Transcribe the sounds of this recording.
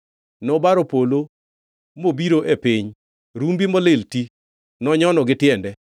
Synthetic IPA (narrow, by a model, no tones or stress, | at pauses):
nɔbaɾopolo | mobiɾoʔepɪɲ | ɾumbimɔlɪlti | nɔɲɔnɔɡɪtɪɛndɛ